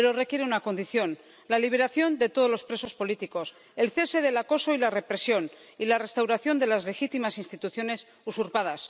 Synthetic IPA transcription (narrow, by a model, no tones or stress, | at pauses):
eɾo̞re̞kje̞ɾeunako̞nd̪iθjo̞n | laliβ̞e̞ɾaθjo̞nd̪e̞t̪o̞ð̞lo̞spɾe̞so̞spo̞lit̪iko̞s | e̞lθe̞se̞ðe̞lako̞so̞ilare̞pɾe̞sjo̞n | ilare̞st̪awɾaθjo̞nd̪e̞lazle̞xit̪imasinst̪it̪uθjo̞ne̞s | usuɾpað̞as